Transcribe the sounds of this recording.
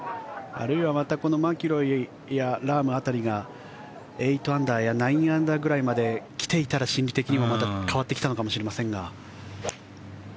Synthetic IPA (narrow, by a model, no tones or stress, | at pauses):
a̰ɾɯ̟iβamat̪ako̞no̞makʲiɾo̞i | jaɾaːmɯ̟at̪aɾʲiɡa | e̞it̪o̞ãnd̪aːjanaĩɰãnd̪aːɡɯ̟ɾaimad̪e̞kʲi̥t̪e̞it̪aɾaɕĩnʲɾʲit̪e̞kʲiɲ̟iβamat̪akʰaβat̪ːe̞kʲi̥t̪ano̞kamo̞ɕiɾemasẽ̞ŋɡa